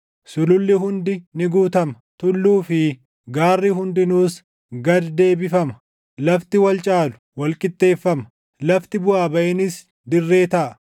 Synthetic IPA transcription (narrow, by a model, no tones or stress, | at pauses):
sʊlʊlːɪɦʊnd̪ɪnɪɡuːt̪ɐmɐt̪ʊlːuːfɪ | ɡaːrːiɦʊnd̪ɪnuːs | ɡɐd̪d̪e̞ːbɪfɐmɐ | lɐft̪ɪwɐlt͡ʃʼaːlʊ̥wɐlkʼɪt̪ʼːe̞ːfːɐmɐ̥ | lɐft̪ɪbʊaːbɐʔɪnɪs | d̪ɪrːe̞ːt̪ɐʔɐ